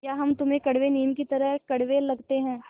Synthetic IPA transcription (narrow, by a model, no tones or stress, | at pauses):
jaːɦɐmt̪ʊmẽkɐɽʋeniːmkit̪ɐɾəɦkɐɽ̤ʋelɐɡt̪eɦɛ̃ː